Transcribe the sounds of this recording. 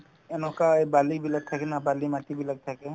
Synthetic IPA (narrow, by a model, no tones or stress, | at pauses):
enokaebaːlibʱilɐɡ̚t̪ʰakenabaːlimaːt̪ibʱilɐɡ̚t̪ʰake